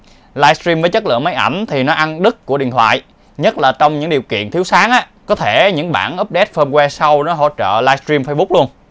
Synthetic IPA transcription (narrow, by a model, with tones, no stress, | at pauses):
laː˧jstɾi˧mvəː˨˦jt͡ɕə˦˥t̚lɨ̰˧˨əŋma˨˦jʔa˧˩jŋ̟t̪ʰi˨˩nɔ˨˦ʔa˧nɗɨ˦˥kːu˧˩əɗḭ˧˨nt̪wa̰ː˧˨j | ɲə˦˥t̚laː˨˩t͡ɕɔ˧wŋ͡mɲɨ̰˧˥ŋɗi˨˩əwkḭ˧˨ənt̪ʰi˨˦əwsaː˨˦ŋʔaː˦ | kɔ˨˦t̪ʰe˧˩ɲɨ̰˧˥ŋɓa̰ː˧˩nʔə˦˥p̚ɗɛ˦˥t̚fəː˧mkwɛ˧sa˧wnɔ˨˦ɦo̰˧˨t͡ɕə̰ː˧˨laː˧jst̪ɾi˧mfəː˧jɓʊ˦˥k͡p̚lu˧ən